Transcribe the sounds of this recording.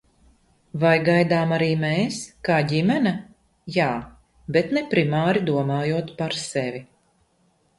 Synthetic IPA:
vajɡajd̪aːmaɾiːmeːskaːɟimɛnɐ | jaː | bet̪nepɾimaːɾid̪uɔmaːjuɔt̪paɾsɛvʲi

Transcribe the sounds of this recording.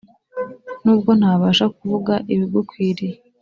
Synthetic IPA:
nuːbɡo̞n̥haːβaːʃakuvuɡaʔiβiɡokwiːɾi

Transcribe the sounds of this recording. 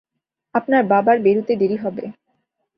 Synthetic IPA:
apnaɾbabaɾbeɾut̪ed̪eɾiɦɔbe

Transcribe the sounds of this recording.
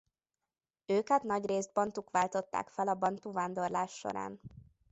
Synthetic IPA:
øːkɛt̪nɒɟreːzd̪̚bɒnt̪ukʋaːlt̪o̞t̪ːa̰ːkfɛlɒbɒnt̪uvaːnd̪o̞rlaːʃːo̰ɾa̰ːn

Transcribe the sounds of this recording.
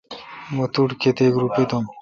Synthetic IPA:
mɐt̪uʈkʰet̪ekɾupet̪om

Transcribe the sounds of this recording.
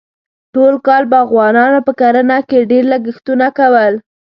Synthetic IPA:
ʈolkɑlbaaɣwɑnɑnopəkaɾanakeɖeɾləɡəxt̪unakawəl

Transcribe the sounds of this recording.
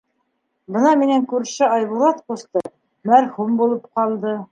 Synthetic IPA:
bɤ̆nɑminæŋkʉɾʃɘɑjβulˠɑt̪qust̪ɤ | mæɾhumbulˠɤp̚qɑlˠd̪ɤ

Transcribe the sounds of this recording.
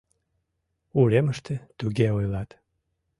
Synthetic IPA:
uɾeməʃt̪et̪yɣeojlɑt̪

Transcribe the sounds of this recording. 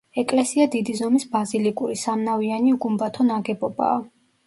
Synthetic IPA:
ɛkʼlɛsiad̪id̪izɔmisbazilikʼuɾisamnavianiuɡumbat̪ʰɔnaɡɛbɔba̰ː

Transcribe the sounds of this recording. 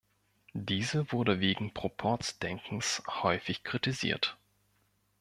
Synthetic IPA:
d̥iːzəvʊɐdəveːɡŋ̩pʁ̥opʰɔɐtt͡sd̥ɛŋkŋ̩shɔʏfɪçkʁ̥itizḭːɐt

